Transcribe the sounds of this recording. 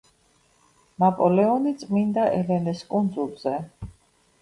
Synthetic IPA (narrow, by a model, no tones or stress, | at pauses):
napʼɔlɛɔnit̪sʼmind̪aʔɛlɛnɛskʼund̪zulˠz̥ɛ